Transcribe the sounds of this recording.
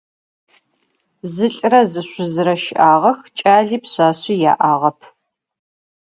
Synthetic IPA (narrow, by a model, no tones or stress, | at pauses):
zɨɬʼrɐzɨɕʷʊzɨɾɐʃɪʔaːʁɐxt͡ʃʼaːɮiːpɕaːɕija̰ːʔaːʁɐpʰ